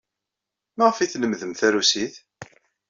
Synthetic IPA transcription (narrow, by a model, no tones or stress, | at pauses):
mæʁəfiθnəmðəmθæɾusiθ